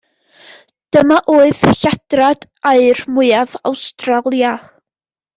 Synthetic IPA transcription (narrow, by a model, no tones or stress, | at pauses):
d̥əmaʔoːɨðɬad̥rad̥ | aɨrmʊɨava̰wstralˠja